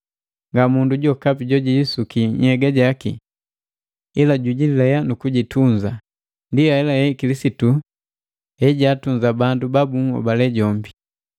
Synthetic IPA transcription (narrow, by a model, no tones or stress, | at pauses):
ŋɡamunduɟɔkapiɟɔɟiisukiɲhɛɡaɟakḭ | ilaɟuɟilɛjanukuɟituɲd͡ʒa | ndiahɛlajɛikilisitu | hɛɟaːtuɲzabandubabuŋɔ̰balɛɟɔmbi